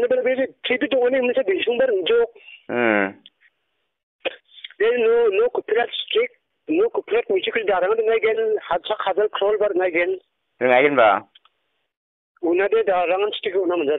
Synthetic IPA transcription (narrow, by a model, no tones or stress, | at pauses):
nabalabeɾitʰɾipitɔŋanihɯmnisabinsʰuŋbaɾɯŋd͡ʒɔk̚ | eɾinɔnɔkupʰiɾatstɾik̚ | nɔkupʰiɾat̚mit͡ʃikʰzidaɾaŋadɯŋajɡenhasʰakʰːazalkʰɾɔlbaɾɯŋajɡen | ɾɯŋajɡɛnba̰ | unadedaɾaŋansi̥tikɯunamɯnd͡ʒad